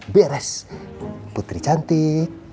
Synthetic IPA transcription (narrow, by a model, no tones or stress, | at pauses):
bɛɾɛs | put̪ɾit͡ʃant̪i